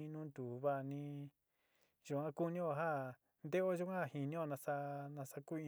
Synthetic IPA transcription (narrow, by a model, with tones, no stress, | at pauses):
ĩ˧nũː˦nd̪u˨βa˦˨nĩ˧ | ʒu˧˨ã˦ku˦nĩ˦o˧˨ɦa˦ | nd̪e˦o˦ʒu˦ã˦a˨hi˧nĩ˦o˦˧˨nã˧sa˧nã˧sa˧ku˦ĩ˧